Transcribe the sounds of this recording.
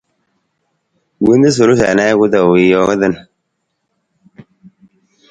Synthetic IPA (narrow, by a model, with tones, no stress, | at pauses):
wi˦ndi˦s̬o˨ɾu˦s̬a̰˨na˦ku˦da˨wi˨jo˦ka˦də˦n